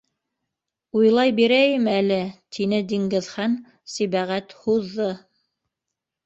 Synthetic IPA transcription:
ujlˠɑjbiɾæjɘmælɘt̪ʰinɘd̪iŋɡɘ̆ðχæn | siβæʁæt̪huðːɤ

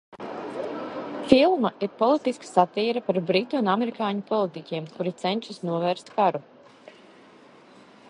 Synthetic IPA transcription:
filˠmaʔiɾpɔlˠit̪iskḁsat̪iːɾɐpaɾbɾit̪uunamɛɾikaːɲupɔlˠit̪icʲiɛmkuɾit̪sɛnʲt͡ʃisnuɔvɛːɾst̪kaɾu

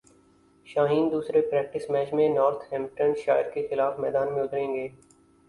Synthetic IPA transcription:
ʃaːɦiːnd̪uːsɾepɾɛːk̚ʈɪsmɛːt͡ʃmẽnɔːɾt̪ʰɦɛ̃ːmʈənʃaːɪɾkexɪlaːfmɛ̰ːd̪aːnmẽʊt̪ɾẽːŋɡeː

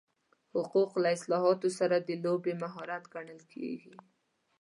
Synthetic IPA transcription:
hʊquqlaɪslɑɦɑt̪osaɾad̪əlobemaɦɑɾat̪ɡaɳəlkʰḛɡi

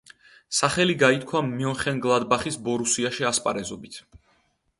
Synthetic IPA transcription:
saχɛliɡait̪̚ʰkʰwamiɔnχɛŋɡlˠad̪baχisbɔɾusiaʃiaspʼa̰ɾɛzɔbit̪ʰ

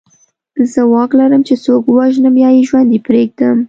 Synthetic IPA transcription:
zəwɑklaɾəmt͡ʃesokwaʒnamjɑjeʒwand̪epɾeɡ̚d̪əm

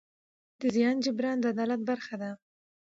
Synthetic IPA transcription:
d̪̥əzijɑnd͡ʒɪbɾɑnd̪əad̪ɑlat̪̚baɾxad̪a

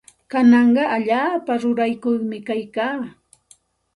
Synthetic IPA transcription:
kanɑɴɢɑʔaʎaːpaɾʊɾajkʊjmɪkajkaː

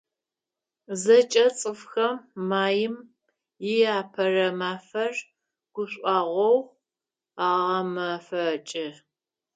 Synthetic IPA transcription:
zɐt͡ʃʼɐt͡sʼɨfxɐmːaːjɪm | jɪjaːpʰɐrɐmaːfɐr | ɡ̥ʷʊɕʷʼɑːʁʷɔwʁ | aːʁɐmafɐt͡ʃʼɪ

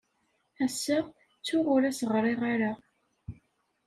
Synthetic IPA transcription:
æsːəʁ | t͡sːʊʁʊɾæsəʁɾˤeʁaɾa

